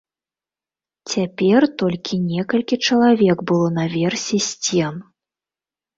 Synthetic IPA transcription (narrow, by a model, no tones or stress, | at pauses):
t͡sʲapʲɛrt̪ɔlʲkʲinʲɛkɐlʲkʲit͡ʂɐlˠavʲɛɡbɨlˠɔnɐvʲɛrsʲisʲt͡sʲɛn